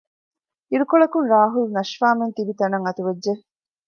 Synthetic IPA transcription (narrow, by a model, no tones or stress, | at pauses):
iɾukoɭɐkunɾaːɦulnɐʃfaːment̪ibit̪ɐnɐŋɐt̪uʋed͡ʒʒe